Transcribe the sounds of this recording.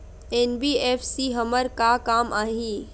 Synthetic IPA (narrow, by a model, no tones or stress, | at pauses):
eːnbiːeːfsiːɦəməɾkakaːmaːɦĩː